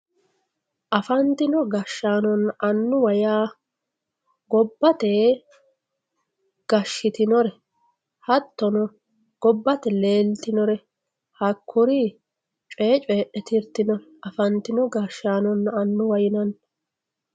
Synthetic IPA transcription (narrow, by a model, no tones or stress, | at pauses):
ʔɐfɐnt̪ɪnɔɡɐʃːaːnɔnːɐnːʊwɐjaː | ɡɔbːɐt̪e | ɡ̥ɐʃːɪt̪ɪnɔɾɛ | hɐt̪ːɔnɔ | ɡ̥ɔbːɐt̪ɛle̞ːlt̪ɪnɔɾɛ | hɐkʰːʊɾi | t͡ʃʼeːt͡ʃʼeːʔɛt̪ɪɾt̪ɪnɔɾɛʔɐfɐnt̪ɪnɔɡɐʃːaːnɔnːɐnːʊwɐjɪnɐn